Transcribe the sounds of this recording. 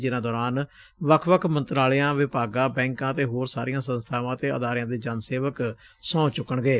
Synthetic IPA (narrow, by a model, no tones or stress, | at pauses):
d͡ʒɪnãːd̪ɔːɾaːn | ʋəkʰʋəkʰmə̃nt̪ɾaːljãːʋɪpaːɡãːbɛ̃ːŋkãːt̪eːɦoːɾsaːɾijãːsə̃nst̪ʰaːʋãːt̪eːʔə̰d̪aːɾɪjãːd̪eːd͡ʒaːnseːʋək | sɔ̃ːt͡ʃʊkːəɳɡeː